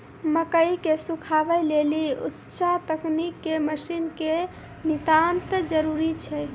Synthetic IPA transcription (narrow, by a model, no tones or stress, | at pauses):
məkəikesukʰabəjleliṵtːʃat̪əknikːeməsinke | nit̪ant̪əd͡ʒəɾuɾit͡ʃʰɛ